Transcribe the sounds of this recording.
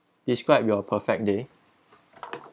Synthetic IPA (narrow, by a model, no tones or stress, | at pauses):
d̥iskɹaɪp̚juapʰəfɛk̚de